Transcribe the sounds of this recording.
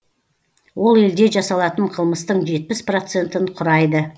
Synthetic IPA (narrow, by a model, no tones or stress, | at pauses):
wo̞lˠe̞ld̪e̞ʒɑsɑlˠɑt̪əɴqʰəlˠməst̪əɴʒe̞t̪̚pɪspro̞t̪se̞nt̪ɪnqʰʊɾɑjd̪ə